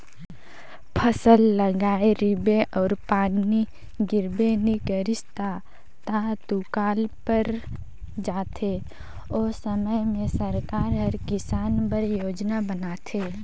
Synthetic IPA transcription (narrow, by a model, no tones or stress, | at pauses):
pʰəsəlːəɡaːeɾɪbeʔɔːɾpaːnːi | ɡɪɾbeːnikəɾɪst̪ʰa | t̪at̪ukaːlpəɾ | d͡ʒaːt̪ʰe | oːsəməjmẽsəɾkaːɾɦəɾkɪsaːnpəɾjoːd͡ʒnabənaːt̪ʰeː